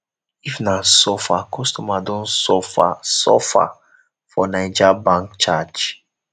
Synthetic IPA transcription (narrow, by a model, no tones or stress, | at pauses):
ifnãsɔfakʰɔstɔmadɔ̃nsɔfasɔ̰fa̰ | fɔnaɪd͡ʒabãŋk̚t͡ʃat͡ʃ